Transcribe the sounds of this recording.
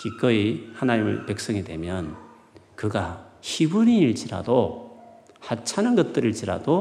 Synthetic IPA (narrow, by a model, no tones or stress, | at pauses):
kik͈ʌihanaɲimɯ̰ɭpe̞k̚s͈ʌŋidwe̞̰mjʌn | kɯɡaçibuniiɭt͡ɕiɾa̰do | hat͡ɕʰanɯnɡʌt̚t͈ɯɾɯɭt͡ɕiɾa̰do